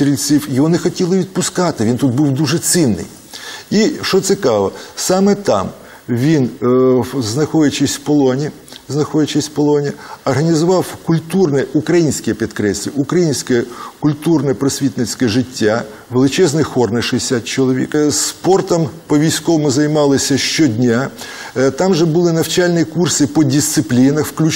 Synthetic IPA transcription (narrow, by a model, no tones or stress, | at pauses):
t̪ɾʲilʲsʲiwjɔɦɔnɛxɔtʲilˠɪʋʲid̪̚pʊskɑt̪ɪʋʲint̪ud̪̚buwd̪uʒɛt̪sinːɪ̰j | iʃɔt̪sʲɪkɑʋɐsɑmɛt̪ɑ̰m | ʋʲin | znɐxɔjʲɐt͡ʃɪsʲwpɔlˠɔnʲi | znɐxɔjʲɐt͡ʃɪsʲpɔlˠɔnʲiɐrɦɐnʲizʊʋɑwkʊlʲt̪urnɛukɾɐjinʲsʲkɛpʲit̪kɾɛsʲɐʊkɾɐjinʲsʲkɛkʊlʲt̪urnɛpɾɔsʲʋʲit̪nɪt͡sʲkɛʒɪtʲːa | ʋelˠɪt͡ʃɛznɪjxɔrnɪʃɛjɪsʲat̪̚t͡ʃɔlˠɔʋʲḭkspɔrt̪ɐmpɔʋʲijsʲkɔʋɔmʊzɐjmɑlˠɪsʲɐʃt͡ʃɔdʲnʲa | t̪ɑmʒɛbuʊlˠɪnɐwt͡ʃalʲnʲikursɪpɔdʲist̪sɪplʲinɐxwklʲu